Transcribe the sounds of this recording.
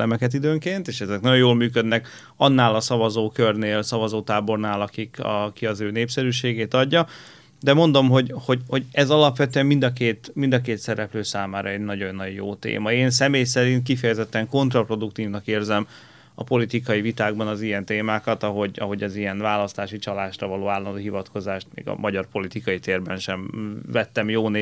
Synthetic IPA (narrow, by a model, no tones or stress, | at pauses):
ɛmɛkɛt̪̬id̪øːŋkeːnt̪eːʃɛzɛknɒɟojoːlmyːkød̪nɛk | ɒnːaːlɒsɒvɒzoːkørneːlsɒvɒzoːt̪aːbo̞rnaːlɒkikɒ̰kiɒzøːneːpsɛɾyːʃeːɡeːt̪ɒɟːɒ | d̪ɛmo̞nd̪o̞mɦo̞ɟho̞ɟho̞ɟɛzɒlɒpʋɛt̪øɛmmind̪ɒkeːt̪mind̪ɒkeːt̪sɛɾɛpløːsaːmaːɾʔɒɛɟnɒɟo̞nːɒɟjo̰ːt̪ḛːmɒeːnsɛmeːjsɛɾint̪̚kifɛjɛzɛt̪ːɛŋko̞nt̪rɒpro̞d̪ukt̪iːvnɒkeːrzɛm | ɒ̰po̞lit̪ikɒjivit̪aːɡ̚bɒnɒzijɛnt̪eːmaːkɒt̪ɒɦo̞ɟɒɦo̞ɟɒzijɛnvaːlɒst̪aːʃit͡ʃɒlaːʃrɒvɒloːaːlːɒnd̪oːɦivɒt̪ko̞zaːʃt̪mḛːɡɒ̰mʔɒɟɒrpo̞lit̪ikɒit̪eːrbɛnʃɛɱvɛt̪ːɛmjoːnː